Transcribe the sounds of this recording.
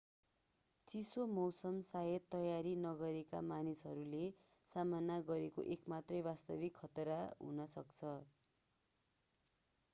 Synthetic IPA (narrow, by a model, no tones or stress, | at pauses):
t͡sisomʌwsʌmsajʌt̪ːʌjaɾinʌɡʌɾeka̰manisɦʌɾule | samanːaɡʌɾeko̰ʔekmat̪rʌjbast̪ʌbikʰːʌt̪ɾaɦṵnʌsʌkt͡sʰʌ